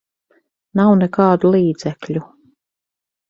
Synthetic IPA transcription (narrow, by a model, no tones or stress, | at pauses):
nawnɛkɑːd̪ulˠiːd̪zɛkʎʲu